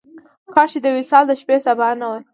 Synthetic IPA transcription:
kɑʃid̪əwɪsɑld̪əʃpesabanawə

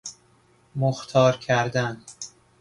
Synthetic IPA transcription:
moxt̪ʰɒːɾkʰæɾd̪æn

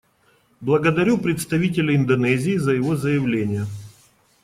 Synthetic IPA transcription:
blˠəɡəd̪ɐɾʲupɾʲɪt̪st̪ɐvʲitʲɪlʲɪɪnd̪ɐnɛzʲɪːzəjɪvo̞zəjɪvlʲenʲɪjə

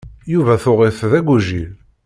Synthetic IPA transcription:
juvæθoʁɪθðæɡuʒil

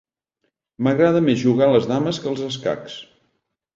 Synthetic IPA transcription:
məɣɾaðəmezʒuɣaləzðaməskəlˠzəska̰ks

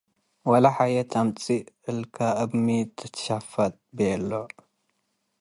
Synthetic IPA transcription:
walaħajɛt̪ʰamt͡sʼiɨlkʰaʔɐbmit̪ʰːɨt̪ʰʃafɐt̪̚ʼbɛlːo

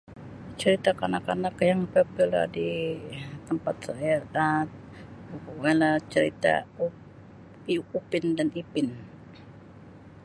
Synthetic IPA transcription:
t͡ʃəɾit̪akanakanakjaŋpɛpila̰di | t̪əmpat̪̚sajaa | alat͡ʃəɾḭt̪a̰ | upɪndanipɪn

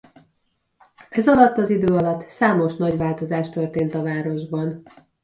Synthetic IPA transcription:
ɛzɒlɒt̪ːɒzid̪øːɒlɒt̪ːsaːmo̞ʃnɒɟvaːlt̪o̞zaːʃt̪ørt̪eːnt̪ɒvaːɾo̞ʒbɒn

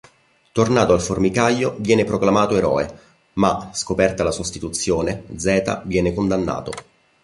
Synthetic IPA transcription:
t̪ornaːt̪oalformikajːovjɛːnepɾoklamaːt̪oeɾɔ̰ːe | maskopɛrt̪alasost̪it̪ut̪sːjoːned̪zɛːt̪a̰vjɛːnekond̪anːa̰ːt̪o

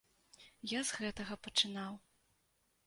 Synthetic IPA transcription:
jazɣɛt̪ɐɣɐpɐt͡ʂɨnaw

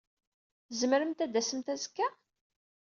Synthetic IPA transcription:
zməɾəmt̪æd̪æsəmt̪æzkːæ

